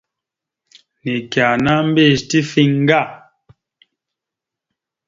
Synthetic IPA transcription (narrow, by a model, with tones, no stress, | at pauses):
ni˨kja˨na˦m̩˦be˦˨ʃti˦fi˦ŋ˦ɡa˦˨